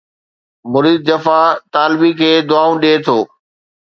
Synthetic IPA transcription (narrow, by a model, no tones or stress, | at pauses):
mʊɾiːd̪̚d͡ʑɐfat̪aːlɪbikʰeːd̪ʊaːũɗiet̪ʰoː